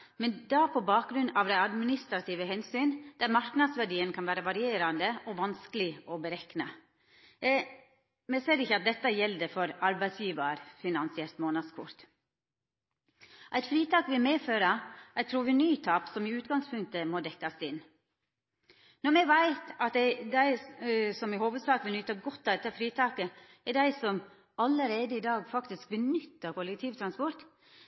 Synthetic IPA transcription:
mɛnd̪ɑpʰɔbɑːk̚ɡɾʉnːɑʋd̪æɪɑd̪mɪnɪst̪ɾɑt̪ʰiːʋəhɛnsyːnd̪̥æɾmɑɾknɑd̪sʋæɖiːənkʰɑnʋæːɾəʋɑɾɪeːɾɑnd̪əɔʋɑnskəlɪɔbəɾɛknɑ̰ | mɛseːɾɪçəɑt̪̚d̪ɛt̪ːəjɛld̪əfɔɾɑɾbæɪsjiːʋɑɾfɪnɑnsɪɛlt̪moːnɑd̪skʰʊ̰ɾt̪ | ʔæɪt̪fɾiːt̪ʰɑːkʋɪlmeːføːɾɑæɪt̪ʰɾuːʋɪnyːt̪ʰɑːpsɔmɪʉːt̪ɡɑŋspʰʉŋkt̪əmɔd̪ɛkːɑsɪn | nɔɾmɛʋæɪt̪ɑt̪̚d̪ɛd̪æɪsɔmɪhoːʋəd̪sɑːkʋɪlnʏt̪ːəɡɔt̪ːɑd̪ɛt̪ːəfɾiːt̪ʰɑːkə | ɛɖæɪsɔm | ɑləɾeːd̪əɪd̪ɑːɡfɑkt̪ɪsk̚bənʏt̪ːəkʊlɛkt̪ʰiːʋt̪ʰɾɑnspɔɾt̪

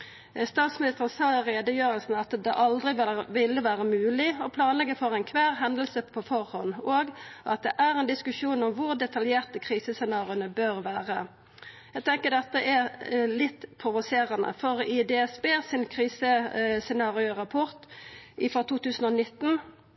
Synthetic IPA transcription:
st̪ɑːt̪smɪnɪst̪əʁənsɑːɾeːd̪əjøːɾəlsn̩ɑt̪d̪ɛʔɑld̪ʁɪʋʋɪlːəʋæːʁəmʉːlɪɔpʰlɑːnlɛɡːəfɔʁɛɪnkʰʋæːʁɦɛnd̪əlsəpʰofɔʁhɔnoːɡʔɑt̪̚d̪ɛʔæʁɛnd̪ɪskʉʃuːnɔmʋʊʁd̪ɛt̪ʰɑljeːʁt̪əkʰʁiːsəsɛnɑːʁɪʊnəbøʁʋæːʁə | jɛɡt̪ʰɛŋkəd̪ɛt̪ːəʔælɪt̪ːpʰɾʊʋʊseːʁənə̰fɔʁɪd̪ɛɛsbeːsɪnkʰʁiːsəsɛnɑːʁɪʊʁɑpʰɔʁt̪ʔɪfʁɑt̪ʰuːt̪ʰʉːsn̩ɔnɪt̪ːn̩

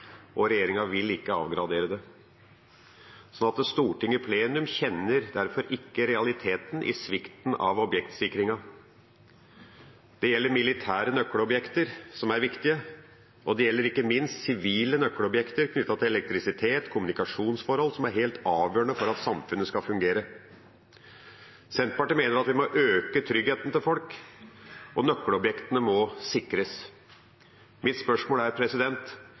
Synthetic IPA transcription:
ʔɔɾɛjeːɾɪŋɑʋɪlːɪkːəɑ̰ːʋɡɾɑd̪eːɾəd̪ɛ | sɔnɑt̪st̪uːʈɪŋəpʰleːnʉmçɛnːəɾd̪æɾfɔɾʔɪkːəɾɛɑlɪt̪ʰeːt̪nʔɪ̰sʋɪkt̪nɑ̰ʋɔbjɛkt̪sɪkɾɪŋɑ | d̪̥ɛjɛlːəɾmɪlɪt̪ʰæːɾənœkːəɽɔbjɛkt̪əɾsɔmæɾʋɪkt̪ɪə | ʔɔd̪ɛjɛlːəɾɪkːəmɪnst̪sɪʋiːlənœkːəlɔbjɛkt̪əɾkʰnʏt̪ːɑt̪ɪlɛlɛkt̪ɾɪsɪt̪ʰeːt̪kʰʊmʉnɪkɑʂuːnsfɔɾhɔlːsɔmæɾɦeːlt̪ɑːʋjøːəɳəfɔɾɑt̪sɑmfʉnːəskɑfʉŋɡeːɾə | sɛnt̪̚pɑʈimeːnəɾɑt̪ʋɪmɔʔøːkət̪ʰɾʏɡheːt̪nt̪ɪlfɔlk | ʔɔnœkːələɔbjɛkt̪ənəmɔsɪkɾəs | mɪt̪spœʂmoːlæɾpʰɾɛsɪd̪ɛnt̪

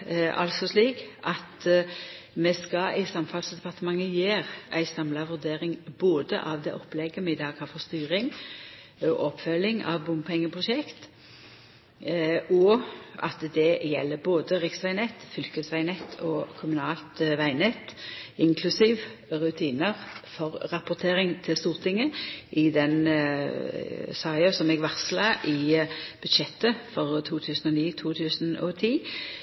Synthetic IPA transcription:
ʔɑ̰lsɔsliːkʔɑt̪ | mɛskɑæɪsɑmfɑlsd̪ɛpʰɑʁt̪əmɑŋːəjeːʁæ̰ɪsɑmlɑʋʉʁd̪eːɾɪŋboːd̪ə̰ʔɑʋd̪ɛ̰ʔɔpːlɛɡəmɛɪd̪ɑːkʰɑfɔst̪yːʁɪŋ | ɔʔɔpfœlɪŋɑ̰ʋbʊmpʰɛŋːəpʰʁʊʃɛkt̪ | ɔʔɑ̰t̪d̪ɛjɛ̰lːəboːd̪əʁɪksʋæɪnɛt̪ːfʏlkəsʋæɪnɛt̪ʰːɔːkʰʊmʉnɑːlt̪ʋæɪnɛt̪ːɪŋkʰlʉsiːʋʁʉt̪ʰiːnəʁfɔʁʁɑpʊʁt̪ʰeːʁɪŋt̪ʰɪlst̪uːʁt̪ʰɪŋːəʔɪd̪ɛn | sɑɪəsɔmɛɡʋɑʁslɑʔɪb̥ʉd̪ʃɛt̪ːəfɔʁt̪ʰuːt̪ʰʉːsənɔniːt̪ʰuːt̪ʰʉːsənɔt̪ʰiː

